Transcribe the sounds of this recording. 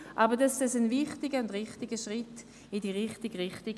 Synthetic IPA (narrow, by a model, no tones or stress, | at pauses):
ʔabədɑsd̥ɛsənvɪχtɪɡəʊndʁɪχtɪɡəʃʁɪtː | idiːʁɪχtɪɡʁɪχtɪɡ